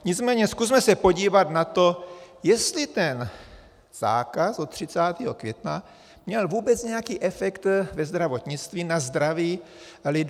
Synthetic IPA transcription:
ɲɪt͡smɛːɲɛskusmɛsɛpo̞ɟiːvat̪nat̪o̞jɛst̪lɪt̪ɛn | z̥a̰ːkasot̪ːr̝̥ɪt͡saːt̪iːɦo̞kvjɛt̪na | mɲɛlvuːbɛt͡sɲɛjakiːʔɛfɛkt̪vɛzd̪ɾavo̞t̪ɲɪt͡st̪viːnazd̪ɾaviːlɪd

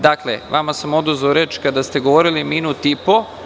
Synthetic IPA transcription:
d̪aklḛʋamasamo̞d̪uzʋaoɾe̞ːt͡ʃkad̪ast̪e̞ɡo̞ʋoɾiliminut̪ipo

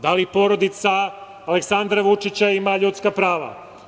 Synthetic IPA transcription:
d̪alipo̞ɾo̞d̪it̪saː | leksand̪ɾaʋut͡ʂit͡ɕaimaʎut̪skapɾaːʋa̰

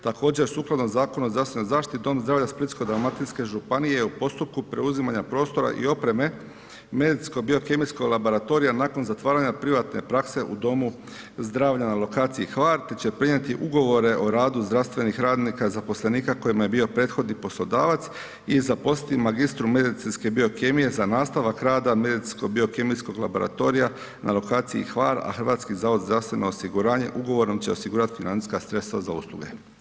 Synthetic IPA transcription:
t̪ako̞ːd͡ʑe̞ɾsuːklˠad̪nomzaːko̞nozɾast̪enozaːʃt̪it̪id̪o̞mzd̪ɾaːʋʎasplit̪skod̪ɾamat̪inske̞ʒupanijeupo̞st̪up̚kupɾe̞uzimaɲapɾo̞ːst̪o̞ɾa̰ʔḭo̞pɾe̞me̞ | me̞d̪it̪sko̞bio̞ke̞miskoɡlabo̞ɾat̪o̞ɾijanaːko̞nzat̪ʋaːɾaɲapɾiʋat̪ne̞̰pɾakse̞ʔṵd̪o̞mu | zd̪ɾaːʋʎanalˠo̞kaːt̪siixʋaːɾt̪et͡ɕe̞pɾiɲet̪iʔuɡo̞ʋo̞ɾe̞ʔo̞ɾaːd̪uzd̪ɾaʋst̪ʋe̞nixɾaːd̪nikazapo̞slˠeniːkako̞jimje̞bio̞pɾe̞ːt̪xo̞d̪nipo̞slˠo̞d̪aːʋat̪s | izapo̞sit̪imaɡist̪ɾume̞d̪it̪sinske̞bio̞kemije̞zanaːst̪aʋakɾaːd̪ame̞d̪it̪skoɡ̚bio̞kemiskoɡla̰bo̞ɾa̰t̪o̞ɾija | na̰lo̞kaːt̪siḭxʋaːɾa̰xɾ̩ʋaːt̪skizaːʋod̪zd̪ɾaʋst̪ʋe̞no̞ːsiɡuɾaːɲe̞̰ʔuɡo̞ʋo̞ɾomt͡ɕe̞osiɡuːɾat̪i̥finani̥skasɾe̞t̪st̪ʋazaṵslˠṵɡe̞̰

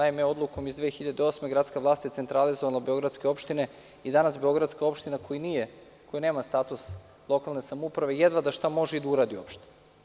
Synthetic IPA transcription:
aimeo̞d̪lˠuko̞mizd̪ʋeːxiʎad̪eo̞ːsmeɡɾat̪skaʋlˠaːst̪jet̪e̞nt̪ɾalizoʋalˠabeo̞ɡɾat̪ske̞o̞pʃt̪ine̞ | id̪anasbeo̞ɡɾad̪skao̞pʃt̪inakojinije | kojane̞ːmast̪aːt̪us | lˠo̞kalˠne̞samoupɾaʋe̞jed̪ʋad̪aʃt̪amo̞ʒeid̪auɾaːd̪io̰pʃt̪i̥

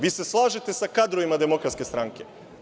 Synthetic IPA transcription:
ʋiːse̞slˠaːʒet̪e̞sakad̪ɾo̞ʋimad̪e̞mo̞kɾat̪ske̞st̪ɾaŋke̞

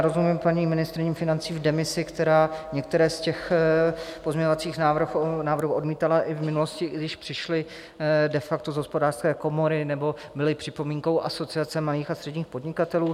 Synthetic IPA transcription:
ɾozumimpaɲiːmɪnɪst̪ɾɪɲiːmfɪnant͡siːvdɛmɪsɪkt̪ɛɾaːɲɛkt̪ɛɾɛːscɛx | po̞zɲɛɲovat͡siːxnaːvr̩xnaːvɾr̩ɦuːo̞dmiːt̪alaʔɪvmɪnulo̞scɪɡdɪʃpr̝̥ɪʃlɪ | dɛfak̚t̪ozɦo̞spo̞daːr̥skɛːko̞mo̞ɾɪnɛbo̞ | bɪlɪpr̝̥ɪpo̞miːŋko̞wʔaso̞t͡sɪat͡sɛmaliːxast̪r̥ɛdɲiːxpodɲɪkat̪ɛluː

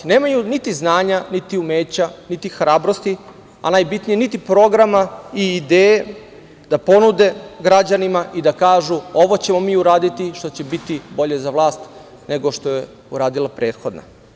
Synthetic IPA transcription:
ne̞ːmajunit̪iznaːɲanit̪iumeːt͡ɕanit̪ixɾaːbɾost̪i | a̰naːjbit̪nijenit̪ipɾo̞ɡɾamaiːd̪eːje | d̪̥apo̞nud̪e̞ɡɾad͡ʑanimaʔid̪akaːʒuo̞ʋo̞t͡ɕe̞mo̞miːuɾaːd̪it̪iʃt̪o̞t͡ɕe̞bit̪ibo̞ʎe̞zaʋlˠaːst̪ | ne̞ɡo̞ʃt̪o̞je̞ | uɾaːd̪ilapɾeːt̪xo̞d̪na̰

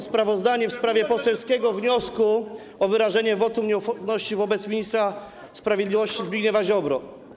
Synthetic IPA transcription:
spɾavɔzd̪aɲɛfspɾavʲjɛpɔsɛlskʲɛɡɔvɲɔsku | ɔvɘɾaʐɛɲɛvɔt̪umɲɛufɔɾnɔɕt͡ɕivɔbɛt̪smʲiɲist̪ɾa | spɾavʲjed̪lʲivɔɕt͡ɕizbʲiɡɲɛvaʑɔbɾɔ

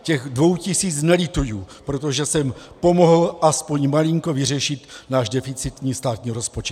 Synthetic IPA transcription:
cɛɣdvo̞wcɪsiːt͡snɛlɪt̪ujuːpɾot̪o̞ʒɛsɛmpo̞moɦl̩ʔaspo̞ɲmaliŋko̞vɪr̝ɛʃɪt̪naːʒdɛfɪt͡sɪt̪ɲiːst̪aːt̪ɲiːɾospot͡ʃɛt̪

